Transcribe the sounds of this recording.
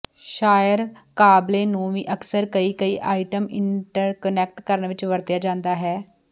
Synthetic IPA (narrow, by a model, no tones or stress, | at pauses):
ʃaːjəɾkaːbleːnũːʋiːʔəksəɾkəiːkəiːʔaːɪʈəmɪɳʈəɾkənɛːk̚ʈkəɾənʋɪt͡ʃʋəɾd̪jaːd͡ʒãːnd̪aːɦɛː